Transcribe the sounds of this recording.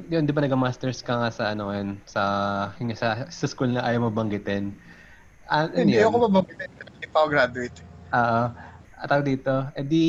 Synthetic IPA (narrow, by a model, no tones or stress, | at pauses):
jond̪ɪbɐnɐɡɐmast̪ɛɹskɐŋasɐʔɐnoɐjonsɐhɪŋasɐsɐskulnɐʔaːjɐwmɐbɐŋɡɪt̪ɛn | ʔɐʔɐnjajɐkomɐbɐŋɡɪt̪ɛnpɐɪpaʊɡɾad̪ʊɪt̪ʔoːʔoʔɐt̪aɡɐd̪iːt̪o̞ʔɛnd̪i